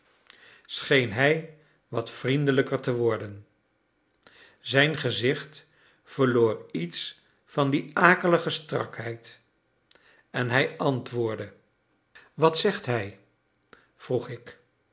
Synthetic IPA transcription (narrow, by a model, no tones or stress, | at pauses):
sχejnɦɛj | ʋɑtfrindələkəɹtəʋɔɹdən | zɛjnχəzɪχt | fəɹloːrits | fɑndiaːkələχəstrɑ̰kɦɛjt | ɛnɦɛjʔɑntʋʊːɹdə | ʋɑtsɛχtɦɛj | v̥ruχɪk